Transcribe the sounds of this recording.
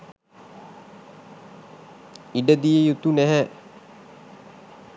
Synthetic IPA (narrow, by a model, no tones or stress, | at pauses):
iɖəd̪ijəjut̪unæɦæ